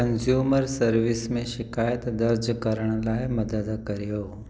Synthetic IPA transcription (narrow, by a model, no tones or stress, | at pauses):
kɐnzjuːməɾsɐɾʋɪsmẽʃɪkaːjət̪d̪ɐɾd͡ʒkɐɾəɽ̃əlaːɪmɐd̪əd̪kɐɾijoː